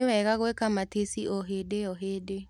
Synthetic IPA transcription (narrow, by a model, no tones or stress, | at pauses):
wɛɣaɣwekamatesiɔɦedejɔɦeːde